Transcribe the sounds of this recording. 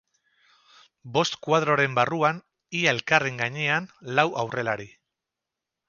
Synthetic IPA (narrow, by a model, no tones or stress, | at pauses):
bo̞st̪kwað̞ɾo̞ɾe̞mbaruan | iaelkare̞ŋɡaɲe̞anlawʔawre̞laɾi